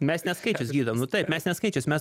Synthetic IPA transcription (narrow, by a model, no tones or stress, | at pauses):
mʲɛsnʲɛskɐɪt͡ʃʲʊsɡʲiːd̪ɐʋmnʊt̪ɐɪpmʲɛsnʲɛskɐɪt͡ʃʲʊsmʲɛs